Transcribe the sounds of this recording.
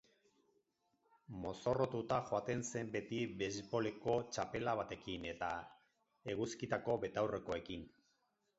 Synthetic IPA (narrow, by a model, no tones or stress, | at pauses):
mo̞so̞ro̞t̪ut̪axoat̪e̞nse̞mbe̞t̪iβe̞zbo̞le̞ko̞t͡ʃape̞laβat̪e̞kine̞t̪a | e̞ɣuskit̪ako̞βe̞t̪awre̞ko̞e̞kin